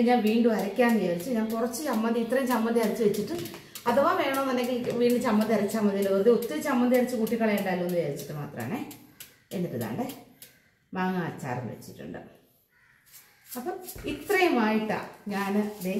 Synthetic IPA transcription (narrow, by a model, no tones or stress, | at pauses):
ɲaːlʋiːɳɖuɐɾɐkʲːaːnnijɐːɾit͡ɕːuɲaːnpurɐt͡ɕːɨt͡ɕɐmːɐnd̪iːt̪rɐjumsɐmbɐnd̪iɐɾit͡ɕːɨʋet͡ɕːiʈːɨ | ɐðuʋaːʋe̞ːɐɳoːninɐkʲːiʋiːɳɖɨt͡ɕɐmːɐnd̪iɐɾikːaːmːɐnd̪ilɐond̪eut̪ːiɾɨt͡ɕɐmːɐnd̪ʱiɐɾit͡ɕːɨkuːʈːikːɐɭeuɳɖaːloonːuʋeːɾit͡ɕːi̥ʈːɨma̰ːt̪rɐ̰ma̰ːɳe | enːitːɨða̰ːɳɖɨ | maːŋaːt͡ɕːa̰ːrɐ̰mʋḛt͡ɕːiʈːṵɳɖɨ̰ | ɐpːɐit̪rɐjɐmaːjiʈːɐ̰ɲaːnɨleː